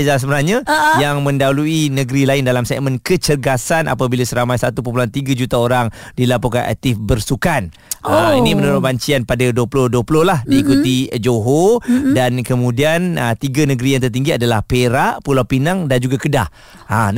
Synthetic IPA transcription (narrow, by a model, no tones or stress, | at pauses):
zas̬əməɾahɲãjaŋmə̃ndauluinə̃ɡəɾilaɪndalamsɛ̰ʔmə̃nkət͡ʃəɡasanʔa̰pabilasəɾamajsat̪upəp̬luant̪iɡad͡ʒut̪aoɾaŋdilapuka̰nʔɛ̰k̚t̪ɪfbərsukan | əinimənuɾʊt̪̚baɲt͡ʃianpadaduəpulʊhduəpulʊhlahdiːkut̪id͡ʒoɦodankəmũdianət̪iɡanəɡəɾijaŋt̪̬ərt̪iŋɡiadalahpeɾaʔpulawpinaŋdand͡ʒuɡakədah | a